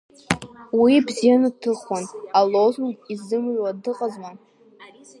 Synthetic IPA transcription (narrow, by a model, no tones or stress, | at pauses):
wibzijanɨtʰɨχanalozunɡʼizɨmɥwadɨqʼazman